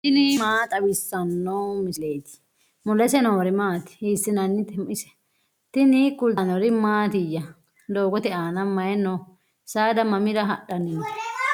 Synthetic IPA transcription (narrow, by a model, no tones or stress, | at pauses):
t̪ɪnɪmaːt̪ʼɐwɪsːɐnːɐwmɪsleːt̪ɪ̥ | mɔlɛsɛnɔwɔɾɪmaːt̪ɪ̥hiːsːɪnɐnːɪt̪ɛmɪsɛ̥ | t̪ɪnɪkʊlt̪ɐnɔɾɪmaːt̪ɪjːɐ | d̪oːɡɔt̪ɛaːnɐmɐjɛnːɔ | saːd̪ɐmɐmɪɾɐɦɐɗɐnɪn